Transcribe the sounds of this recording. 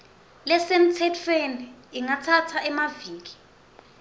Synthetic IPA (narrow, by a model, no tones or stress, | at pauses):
lɛsem̩tʰɛtʰweniːŋatʰatʰaɛmaviːki̥